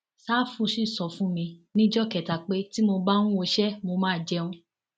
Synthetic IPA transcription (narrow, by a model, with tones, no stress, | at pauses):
saː˦fũ˧ʃi˦˨sɔ˨fũ˦mĩ˧nĩ˦d͡ʒɔ˦kɛ˨ta˨k͡pe˨˦ti˦mo˧ba˦nũ˦o˧ʃɛ˦mo˧mãː˦˨d͡ʒɛ˧ũ˧